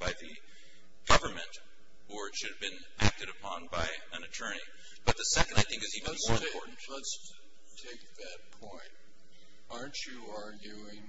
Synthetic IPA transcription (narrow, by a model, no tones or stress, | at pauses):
b̥aɪðɨ̰ | ɡ̥ʌvə˞mɨ̃nt | ə˞ɨtʃʊɾɨvbɨ̃n | ʔæk̚tɨɾɨpʰɑ̃nbaɪ | ɨ̃nɨtʰɜ˞ñḭ | b̥ʌt̪̚ðɨsɛkɨ̃ndaɪθɪ̃ŋkɨzivɨ̃nɔɹɨ̃mɔɹʔn̩tləts | tʰeɪk̚ðɨt̚pʰɔ̃ɪ̃nt̚ | ɑɹnt͡ʃɨɑɹɡjʉɪ̃ŋ